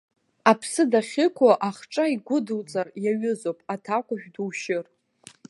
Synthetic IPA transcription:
apʰsɨdaχʲɪkʷʰaʔaχʈ͡ʂʼaiɡʷʊdɨlt͡sʼarjaɥʊzopʼatʰakʷaʒᶣduwʃɪr

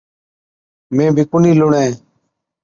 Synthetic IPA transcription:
mẽːbʱiːkʊniːlʊɳẽː

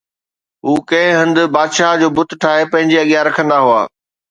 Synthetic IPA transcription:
ɦuːkɐ̃ɦɪ̃ɦɐ̃nd̪ʊ̆baːd̪ʃaːɦd͡ʑoːbʊt̪̆ʈʰaːɦepɐ̃ɦɪ̃ɲd͡ʑeɐɠjaɾɐkʰə̃nd̪aɦua̰ː

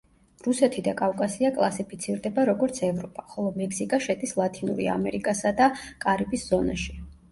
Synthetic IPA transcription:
ɾusɛt̪ʰid̪akʼavkʼasiakʼlˠasipʰit̪sʰiɾd̪ɛbaɾɔɡɔɾt̪sʰɛvɾɔpʼaχɔlˠɔmɛksikʼaʃɛd̪ʼislˠat̪ʰʼinṵɾḭa̰mɛɾikʼasad̪akʼaɾibisz̥ɔna̰ʃi̥

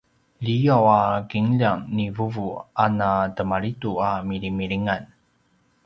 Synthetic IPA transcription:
ʎijawakiŋʎaŋnivuvuanatəmaɭituamiɾimiɭiŋan

